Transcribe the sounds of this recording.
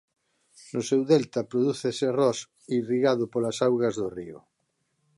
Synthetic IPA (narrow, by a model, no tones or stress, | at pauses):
nʊsɛwðɛlt̪apɾoðuθeserɔs | iriɣaðʊpolasawɣazðoriʊ̰